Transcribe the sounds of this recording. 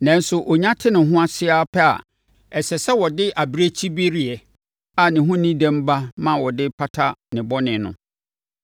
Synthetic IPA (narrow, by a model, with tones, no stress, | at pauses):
nã˨n˦sʊ˨ʔo˨ɲã˦tʰɪ˦nɪ̃˨ɦʊ̃˦a˦sɪ˦aː˦pʰɛ˦a̰˨ | ɛ˨sɛ˨sɛ˦wɔ˨dɪ˦ʔa˨bɾe˦t͡ɕʰi˦be˦ɾi˦ɛ˨ | a˨nɪ̃˨ɦʊ̃˦nĩ˦dæ̃˦m˦ba˦mã˦wɔ˨dɪ˦pʰa˦tʰa˦nɪ̃˨bɔ˦nɪ̃˨nʊ̰̃˨